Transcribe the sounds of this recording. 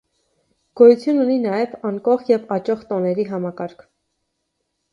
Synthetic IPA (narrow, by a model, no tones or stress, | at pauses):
ɡ̥ɔjut͡sʰjununinɑjɛvɑŋkɔχjɛvɑt͡ʃɔχt̪ɔnɛɾiɦɑmɑkɑɾkʰ